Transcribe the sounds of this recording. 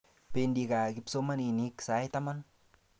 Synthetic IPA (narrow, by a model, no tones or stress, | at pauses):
pendikakipsomaniniksajt̪aman